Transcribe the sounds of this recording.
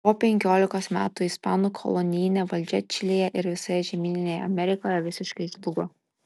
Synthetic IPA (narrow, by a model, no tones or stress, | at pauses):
poːpʲɛŋʲkʲoːlʲɪkoːsmʲæːt̪uːispɑːnuːkʰɔ̰lˠɔnʲɪjnʲeʋɐlʲd͡ʒʲɛt͡ʃʲɪlʲeːjɛʔɪɾʋʲɪsɐjɛʒʲɛmʲiːnʲɪnʲejɛ̰ɐmʲɛɾʲɪkoːjɛʋʲɪsʲɪʃkɐɪʒlˠʊɡo